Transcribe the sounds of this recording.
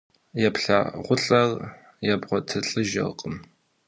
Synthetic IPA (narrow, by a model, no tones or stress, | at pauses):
jɛpɬa̰ʁʷʊɬʼɐr | jɛbʁʷɔtʰɨɬʼɨʒɐ̰lqʼəm